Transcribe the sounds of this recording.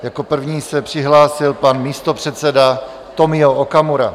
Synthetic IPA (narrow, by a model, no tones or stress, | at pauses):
jako̞pr̩vɲiːsɛpr̝̥ɪɦlaːsɪlpanmiːst̪o̞pr̝̥ɛt̪sɛda | t̪o̞mɪookamuɾa̰